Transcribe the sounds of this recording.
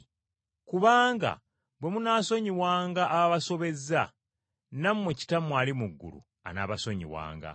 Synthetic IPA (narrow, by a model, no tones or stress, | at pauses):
kuβaːŋɡa̰ | bwe̞munaːso̞ɲiwaːŋɡaʔːβaβaso̞βe̞za | nammweci̥tamwaːlimuɡːṵlṵ | a̰naːβasoɲḭwa̰ːŋɡa̰